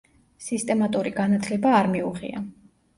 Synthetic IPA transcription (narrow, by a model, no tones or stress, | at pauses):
sist̪ʼɛmat̪ʼuɾiɡanat̪ʰlɛbaːɾmiuʁḭa̰